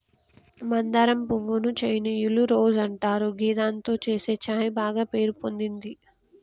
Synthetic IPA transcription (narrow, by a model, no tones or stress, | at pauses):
mɐnd̪ɐɾɐmpuʋːunut͡ʃejnijiluɾoːd͡ʒɐɳʈaːɾuɡiːd̪aːnt̪oːt͡ʃeːse̞ːt͡ʃaːjibaːɡaːpe̞ːɾupond̪ind̪i